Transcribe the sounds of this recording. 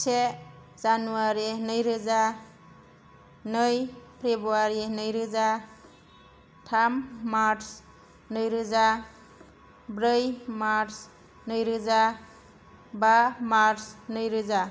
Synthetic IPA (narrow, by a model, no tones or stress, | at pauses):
se | zanuaɾinʌjɾɯza | nɯjpʰɾebuaɾinʌjɾɯza | tʰamːaɾs | nʌjɾɯza | bɾɯjmaɾs | nʌjɾɯza | bamaɾsnʌjɾɯza